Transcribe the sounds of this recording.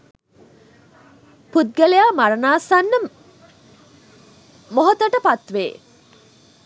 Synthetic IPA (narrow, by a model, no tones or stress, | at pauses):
pud̪̚ɡælejaːmaɾənaːsanːə | moɦot̪əʈəpat̪ʋḛː